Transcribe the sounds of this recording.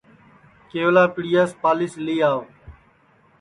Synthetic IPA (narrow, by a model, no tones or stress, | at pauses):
keːʋlaːpɪɽijaːspaːlɪsliːaːo